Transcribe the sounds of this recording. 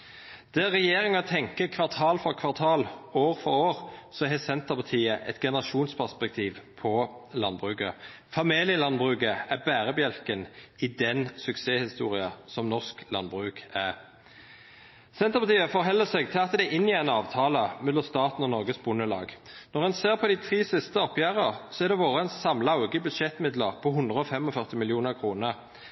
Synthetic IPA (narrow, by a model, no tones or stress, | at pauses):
d̪̥æʁɛjeːʁɪŋɑt̪ʰɛŋkəkʰʋɑʁt̪ʰɑːlfɔʁkʰʋɑʁt̪ʰɑːloːʁfɔʁoːʁsɔɦɛsɛnt̪əʁpʰɑt̪ʰiːəʔɛt̪ɡɛnəʁɑʃuːnspʰæʁspɛk̚t̪ʰiːʋpʰɔlɑnbʁʉːkə | fɑmeːlɪəlɑnbʁʉːɡəæbæːʁəbjɛlkənɪd̪ɛnsʉkseːhɪst̪ṵːʁɪɑsɔmnɔʁsklɑnbʁʉːkæʁ | sɛnt̪əpɑt̪ʰiːəfɔʁɦɛlːəsɛɡt̪ʰɪlɑt̪d̪ɛʔɪnːɪæɪnɑːʋt̪ʰɑːləmɛd̪lɔst̪ɑːt̪n̩ɔnɔʁɡəsbʊnəlɑ̰ːɡnɔʁhɛnseːʁpʰɔd̪ɪt̪ʰʁiːsɪst̪əɔpjæːʁəʁsɔæʁd̪ɛʋoːʁəɛnssɑmləɑʊɡəbʉd̪ʂɛt̪mɪd̪ləʁpʰɔɦʉnd̪ʁəɔfɛmɔfœʁt̪ɪmɪljuːnəʁkʰʁuːnəʁ